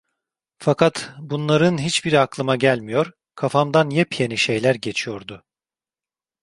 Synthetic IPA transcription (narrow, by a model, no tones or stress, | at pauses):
fakʰat̪bunlˠaɾɯnɦit͡ʃbiɾaklˠɯmaɟælʲmijo̞ɾ | kʰafamd̪anjɛpjeniʃe̞jlʲæɾɟe̞t͡ʃʰijo̞ɾd̪ʊ